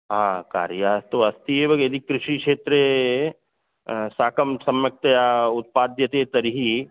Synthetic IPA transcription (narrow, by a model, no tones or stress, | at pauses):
ɦãːka̰ːɾjaːt̪oɐst̪iebɐɡed̪ikɾɪʃikʃeːt̪ɾe | saːkəmsɐmjək̚t̪əjaʊt̪̚paːd̪jɐt̪et̪ɐɾiɦi